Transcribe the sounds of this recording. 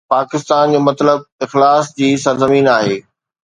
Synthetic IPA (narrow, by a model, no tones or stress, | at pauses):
paːkɪst̪aːnd͡ʑoːmɐt̪ləb̚ɪxlaːsd͡ʑiːsɐɾzɐmiːnaːɦeː